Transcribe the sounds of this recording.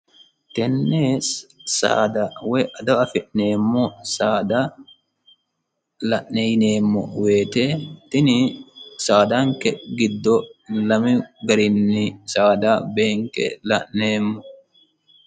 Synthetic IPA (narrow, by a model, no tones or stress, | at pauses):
t̪ɛnːesa̰ːd̪ɐwɛʔɐd̪ɐɐfɪʔneːmːɔsaːd̪a | lɐʔnɛjneːmːɔ̰weːt̪et̪ɪnɪsaːd̪ɐŋkɛɡɪd̪ːɔlɐmɪɡɐɾɪnːɪsaːd̪abeːŋkɛ̰lɐʔneːmːɔ